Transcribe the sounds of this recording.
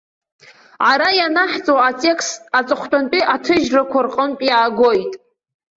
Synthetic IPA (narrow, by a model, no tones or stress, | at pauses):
ʕaɾajanaħt͡sʼowat͡sʼe̞kʰstat͡sʼɨχʷtʰʼanpʼiʔatʰɨʒrakʷʰarqʼənpʼjaːɡʷojtʼ